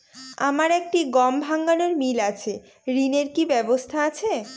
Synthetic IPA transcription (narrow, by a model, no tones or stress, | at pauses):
a̰maɾek̚ʈiɡɔmbʱaŋɡanoɾmilat͡ɕʰe | ɾineɾkibɛbost̪ʰaat͡ɕʰe